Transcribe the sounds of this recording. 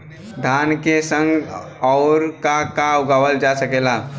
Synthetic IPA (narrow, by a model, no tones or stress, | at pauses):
d̪ʱankesə̃ŋɡ | ɔʊɾkakauɡaʋəld͡ʒasəkela